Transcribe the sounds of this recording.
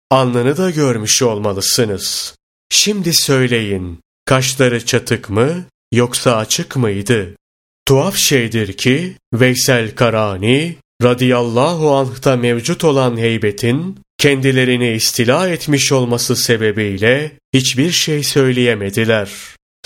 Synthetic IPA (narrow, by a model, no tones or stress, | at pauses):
anlˠanɯd̪aɟøɾmyʃo̞lˠmalˠɯsɯnɯz̥ | ʃimd̪isø̞jlʲe̞jin | kʰaʃlˠaɾɯt͡ʃʰat̪ʰɯkmɯ | jo̞ksaːt͡ʃʰɯkmɯjd̪ɯ | t̪ʰuafʃejd̪iɾcʰivɛjsælʲkʰaɾaːni | ɾad̪ijalˠːaːɦuanht̪amɛvd͡ʒut̪ʰo̞lˠanɦejbet̪ʰincʰɛnd̪ilʲe̞ɾiniːst̪ʰilʲahɛt̪miʃo̞lˠmasɯse̞be̞bijlʲɛ | hit͡ʃbiɾʃejsø̞jlʲejemed̪ilʲæɾ̥